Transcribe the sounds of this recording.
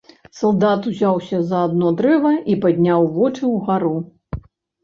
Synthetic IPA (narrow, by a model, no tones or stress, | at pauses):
sɐlˠd̪at̪uzʲawsʲɐzɐːd̪nɔd̪ɾɛvɐipad̪ʲnʲawvɔt͡ʂɨwɣaɾu